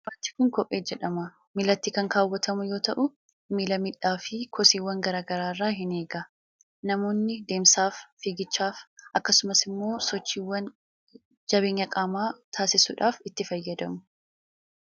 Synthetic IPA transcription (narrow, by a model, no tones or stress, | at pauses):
bɐt̪ːɪ̥kʊŋkɔpʼːe̞ːd͡ʒɛᶑɐmɐ | mɪlɐt̪ːiːkɐŋkaːwːɐt̪ʰɐmʊjo̞ːt̪ɐʔʊ | milɐmɪᶑːaːfɪkʰɔsiːwːɐŋɡɐɾaːɡɐɾaːrːaːɦɪne̞ːɡɐ | nɐmo̞ːnːɪd̪e̞ːmsaːfːiːɡɪt͡ʃːaːfʔɐkːɐsʊmɐsɪmːo̞ːsɔt͡ʃːiːwːɐn | d͡ʒɐbeːɲːɐkʼaːmaːt̪ʰaːsɪsʊᶑaːfɪt̪ːɪfɐjːɐd̪ɐmʊ